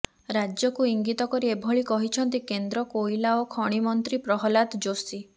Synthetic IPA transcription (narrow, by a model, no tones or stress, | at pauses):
ɾad͡ʒjɔkuiŋɡit̪ɔkɔɾiebʱɔɭikɔɦit͡ʃʰɔnt̪ikend̪ɾɔkoilaɔkʰɔɽ̃imɔnt̪ɾipɾɔɦɔlat̪d͡ʒosi